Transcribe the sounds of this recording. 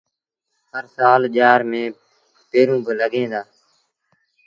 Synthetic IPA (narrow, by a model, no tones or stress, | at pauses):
həɾsaːlʄaːɾmẽː | peːɾũːbələɡẽːd̪aː